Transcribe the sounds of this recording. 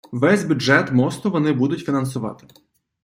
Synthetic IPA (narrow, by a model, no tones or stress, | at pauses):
ʋɛzʲbʲʊʒɛt̪mɔst̪ʊʋɔnɪbud̪ʊtʲfʲinɐnsʊʋɑ̰t̪ɪ̥